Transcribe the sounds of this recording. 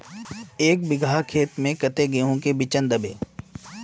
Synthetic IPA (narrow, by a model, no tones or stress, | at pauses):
eːk̚bɪɡʱaːkʰeːt̪mẽkɐt̪eɡeɦõkebɪt͡ʃənd̪əbḛː